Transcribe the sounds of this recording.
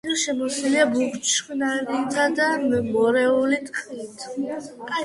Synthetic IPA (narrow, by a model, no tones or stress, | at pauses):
iʃɛmɔsiliabukt͡ʃχnaɾit̪ʰad̪ammɔɾɛulit̪ʼqʼiit̪ʰ